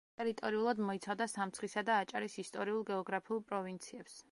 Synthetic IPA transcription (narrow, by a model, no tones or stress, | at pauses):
t̪ʼɛɾit̪ʼɔɾiulˠad̪mɔit̪sʰavd̪asamt̪sχisad̪aːt͡ʃʼa̰ɾisist̪ʼɔɾiulˠɡɛɔɡɾapʰiulˠpʼɾɔvint̪sʰiɛps